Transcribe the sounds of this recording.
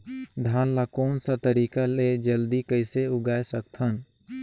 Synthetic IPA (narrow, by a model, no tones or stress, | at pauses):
d̪ʱjaːnlakɔːnsat̪əɾiːkaled͡ʒəld̪ikəɪseʊɡaːesək̚t̪ʰən